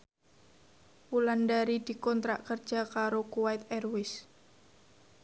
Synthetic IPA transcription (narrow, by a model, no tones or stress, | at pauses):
pulandaɾid̪̥i̤kɔnt̪ɾaʔkərd̥d͡ʒʒ̥a̤kaɾokuwaɪt̪ɛrwɪs